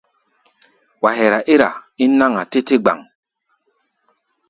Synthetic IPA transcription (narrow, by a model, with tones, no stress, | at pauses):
wa˨ɦe˨ɾa˨ʔi˦ɾa̰˨i˦nːa˦ŋa˨te˦te˦ɡ͡ba̰˨ŋ